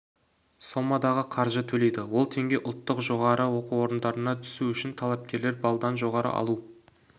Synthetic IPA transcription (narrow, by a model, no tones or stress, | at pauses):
solˠmɑd̪ɑʁəqʰɑɾʒət̪ʰɵle̞jd̪ɪwo̞lˠt̪ʰe̞ŋɡʲe̞ʔʊlˠt̪ːəqʒo̞ʁɑɾəwo̞quwo̞ɾənd̪ɑɾənɑt̪ʰʏ̥suʏʃɪnt̪ʰɑlˠɑp̚kʲe̞ɾle̞ɾbɑlˠd̪ɑnʒo̞ʁɑɾə̰ʔɑ̰lˠu